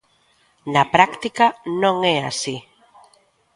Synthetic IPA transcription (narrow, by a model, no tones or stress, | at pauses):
napɾakt̪ikanõŋɛa̰si